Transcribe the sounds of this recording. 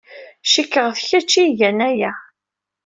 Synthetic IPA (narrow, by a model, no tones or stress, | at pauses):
ʃikːəʁθçæt͡ʃːiʝænæjæ